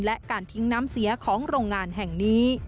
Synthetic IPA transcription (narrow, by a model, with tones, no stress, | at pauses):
nlɛ˦˥ʔkaː˧nt̪ʰi˦˥ŋnaː˦˥msi˩˦ɐkʰɔː˩˦ŋɾoː˧ŋːaː˧nɦɛ˨˩ŋniː˦˥